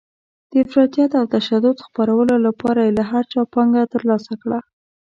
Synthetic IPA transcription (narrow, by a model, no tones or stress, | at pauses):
d̪̥əɪfɾɑt̪ijat̪awt̪aʃad̪ʊd̪xpaɾawəlolapɑɾajelaɦaɾt͡ʃɑpɑŋɡat̪əɾlɑsakɽa